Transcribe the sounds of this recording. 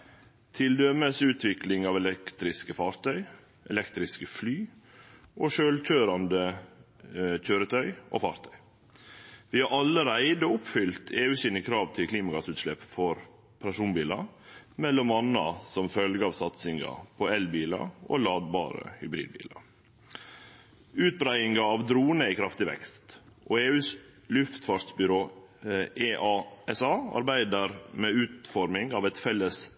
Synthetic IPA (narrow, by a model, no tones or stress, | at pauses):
t̪ʰɪld̪œməsʉːt̪ʰʋɪklɪŋɑːʋɛlɛkt̪ɾɪskəfɑːɾt̪ʰœʏ | ʔɛ̰lɛkt̪ɾɪskəflyː | ʔoʃøːlc͡çøːɾɑnd̪ə | c͡çøːɾət̪ʰœʏʔo̰fɑːɾt̪ʰœʏ | ʋɪhɑɾʔɑlːəɾæɪd̪oʊpfʏlt̪ʰeːʉːsiːd̪nəkʰɾɑːʋt̪ʰɪlkʰliːmɑɡɑt̪sʉːt̪ʃlɛpːfɔɾ | pʰɾɑʂuːnbiːlɑmɛlːɔmɑnːɑ̰sɔmfœlɡəɑːʋsɑt̪sɪŋɑ̰pʰɔɛlbiːlɑ̰ʔo̰lɑːd̪̚bɑ̰ːɾə̰hʏbɾḭːd̪̚bḭːlɑ̰ | ʉːt̪̚bɾæɪɪŋɑɑʋd̪ɾuːnəɪkʰɾɑft̪ɪʋɛ̰kst̪ʔoeːʉːslʉft̪fɑʂsbʏɾoː | eʔɑɛsɑːɑ̰ɾbæɪd̪əɾmeːʉːt̪fɔɾmɪŋɑːʋɛt̪fɛlːəs